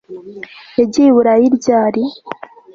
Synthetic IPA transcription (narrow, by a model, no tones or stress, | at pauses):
eɟiwuɾajiɾɟaːɾi